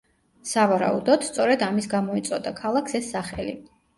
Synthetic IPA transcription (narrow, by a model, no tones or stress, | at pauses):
savaɾa̰ṵd̪ɔd̪̥st̪sʼɔɾɛd̪amisɡamɔit̪sʼɔd̪akʰalˠakʰsɛsːaχɛlḭ